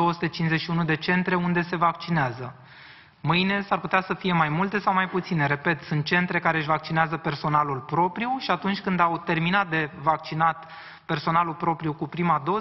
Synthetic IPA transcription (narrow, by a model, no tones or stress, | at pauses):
o̞wəsu̥t̪et͡ʃinzeʃiunud̪e̞t͡ʃe̞nt̪ɾe̞und̪e̞se̞vak̚t͡ʃineazə | mɨjne̞sarput̪easəfije̞majmult̪e̞sawmajput̪sine̞ɾe̞pe̞t̪sunt̪̚t͡ʃe̞nt̪ɾe̞kaɾe̞ɨʃvak̚t͡ʃineazəpe̞rso̞nalulpɾo̞pɾijuʃiat̪unt͡ʃʲkɨnd̪awt̪e̞rminat̪̚d̪e̞vak̚t͡ʃinat̪ | pe̞rso̞nalulpɾo̞pɾijukupɾimad̪o̞